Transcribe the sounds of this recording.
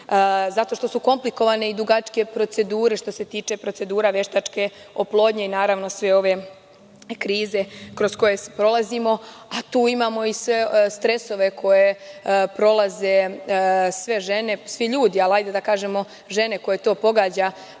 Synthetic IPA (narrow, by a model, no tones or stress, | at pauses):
zat̪o̞ʃt̪o̞suko̞mpliko̞ʋane̞id̪uɡat͡ʃke̞pɾo̞t̪se̞d̪uːɾe̞ʃt̪o̞se̞t̪iːt͡ʃe̞pɾo̞t̪e̞d̪uːɾaʋje̞ʃt̪at͡ʃke̞oplˠo̞ːd̪ɲe̞inaːɾaʋno̞sʋe̞o̞ʋe̞ | kɾiːze̞kɾo̞sko̞je̞spɾo̞lˠazimo̞at̪uːimaːmo̞isʋest̪ɾe̞so̞ʋe̞kʰo̞je̞pɾo̞lˠaze̞ | sʋe̞ʒe̞ne̞sʋiʎuːd̪ialajd̪ed̪akaːʒe̞mo̞ | ʒe̞ne̞ko̞je̞t̪o̞ːpo̞ɡaːd͡ʑa